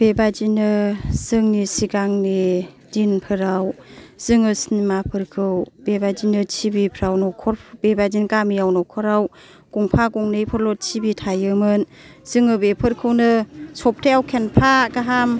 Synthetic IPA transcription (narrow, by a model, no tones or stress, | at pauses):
b̥ebad͡ʒinɯz̥ɯŋnisiɡaŋni | dinpʰɯɾawz̥ɯŋɯsnimapʰɯɾkʰɯwbebad͡ʒinɯt͡ʃʰibipʰɾawnɔkʰɔɾbebad͡ʒinkamijawnɔkʰɔɾaw | ɡ̥uŋpʰaɡuŋnɯjpʰɯɾlɔt̚t͡ʃʰibitʰajɯmɯn | z̥ɯŋɯbepʰɯɾkʰɯwnɯsɔp̚tʰejawkʰenpʰaɡaɦam